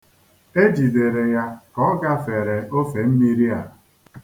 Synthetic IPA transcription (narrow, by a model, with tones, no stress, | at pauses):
e˦d͡ʒi˨de˨ɾe˨ja˦kɔ˦ɡa˦fe˨ɾe˨ʔo˦fe˨m̩˦mi˦ɾi˦a˨